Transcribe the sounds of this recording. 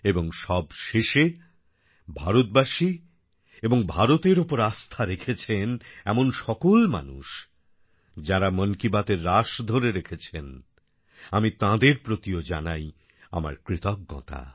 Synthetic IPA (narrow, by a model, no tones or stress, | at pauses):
eboŋʃɔbʃeʃe | bʱaɾot̪̚baʃi | eboŋbʱaɾot̪eɾopoɾast̪ʰaɾekʰet͡ɕʰenɛmonʃɔkolma̰nṵʃ | d͡ʑaɾamonkibat̪eɾːaʃd̪ʱoɾeɾekʰet͡ɕʰen | amit̪ãd̪eɾpɾot̪iod͡ʑanaj | a̰ma̰ɾkɾit̪ɔk̚ɡɔ̰t̪a̰